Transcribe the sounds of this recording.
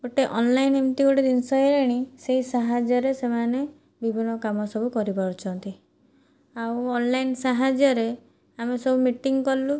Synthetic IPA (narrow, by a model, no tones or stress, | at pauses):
ɡoʈeʔɔnlajnemt̪iɡoʈid̪insɔeɾeɽ̃iseɦisaɦad͡ʒjɔɾesemane | bibʱinɔkamɔsɔbʱukɔɾipɔɾɔt͡ʃʰɔnt̪i | auɔnlajnsaɦad͡ʒjɔɾe | amesɔbʱumiʈiŋkɔlu